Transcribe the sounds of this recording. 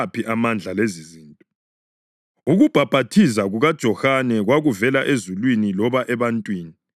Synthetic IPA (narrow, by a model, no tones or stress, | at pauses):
pʰiʔamand͡ɮʱaleziziːntʼɔ | uɣub̥ʱab̥ʱatʰis̬aɣuɣad̥ʒ̥ʱɔxanɛɣwaɣuvɛlaʔezulwinilɔβaʔɛβantʼwiːni